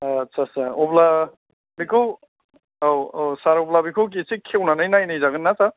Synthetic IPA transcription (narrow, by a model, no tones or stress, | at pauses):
tsʰasaɾobla | bikʰɯw | owowsaɾoblabikʰɯwk̬isikʰewnanɯjnajnɯjzaɡɯnːasaɾ